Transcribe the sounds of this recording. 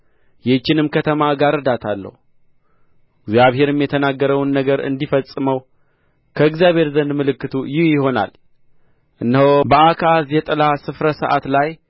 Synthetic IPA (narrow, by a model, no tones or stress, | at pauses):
jɛt͡ʃːɪnɨmkʰət̪ʰəmaɡaɾɨd̪at̪ʰalːə̰hu | ɪɡzjaβɦe̞ɾɨmjɛt̪ʰənaɡːəɾəwnːəɡəɾɨ̰nd̪ifəsʼɨməw | kʰəɨɡzjaβhe̞ɾzənd̪mɨlɨkːɨt̪ʰujɪhjɪho̞na̰l | ʔɨnːhobəakʰazjɛt̪ʼlasɨfɾəsəʔa̰t̪laj